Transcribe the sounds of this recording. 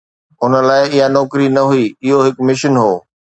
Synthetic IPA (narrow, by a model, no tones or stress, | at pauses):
ʊnə̆laːɪɪɦanɔːkɾinɐɦuiɪɦoɦɪkmɪʃənɦoː